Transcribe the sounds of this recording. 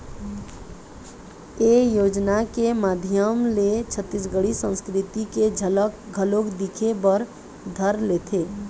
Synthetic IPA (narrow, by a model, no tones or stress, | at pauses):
ejoːd͡ʒnakemad̪ʱjəmlet͡ʃʰət̪ːis̬ɡəɽisə̃nskɾɪt̪iked͡ʒʱələkɡʱəlokd̪ikʰebəɾ | d̪ʱəɾlet̪ʰeː